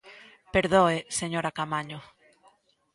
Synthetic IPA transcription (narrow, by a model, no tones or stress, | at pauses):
peɾðoeseɲoɾakamaɲo